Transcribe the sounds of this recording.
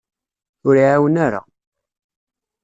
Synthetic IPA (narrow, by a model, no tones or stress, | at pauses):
ʊɾiʕawənaɾa̰